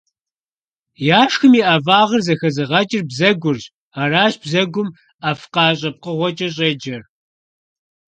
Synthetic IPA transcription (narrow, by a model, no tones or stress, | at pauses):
jaːʂxɨmiːʔaːvaːʁɐrzɐxɐzɨʁɐt͡ʃʼɪrbzɐɡʷʊrʑ | aːraːɕb̥zɐɡʷʊm | afqɑːɕ̬ʼɐp̚qəʁʷɔt͡ʃʼɐɕ̬ʼeːd͡ʒɐr